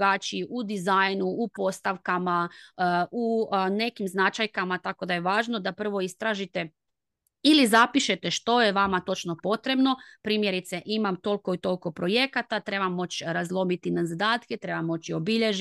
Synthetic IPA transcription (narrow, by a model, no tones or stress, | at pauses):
ɡaːt͡ʃiiud̪izajnuupo̞st̪aʋkama | une̞kimznat͡ʃajkamat̪ako̞d̪ajeʋaːʒno̞d̪apr̩ʋo̞ist̪ɾaʒit̪e̞ | ilizapiʃe̞t̪e̞ʃt̪o̞jeʋamat̪o̞t͡ʃno̞po̞t̪ɾe̞bno̞pɾiːmje̞ɾit̪se̞ʔimamt̪o̞lko̞it̪o̞lʲko̞pɾo̞je̞kat̪at̪ɾe̞bamːo̞t͡ɕɾazlˠo̞mit̪inazad̪aːt̪ket̪ɾe̞bamːo̞t͡ɕio̞biʎe̞ʒ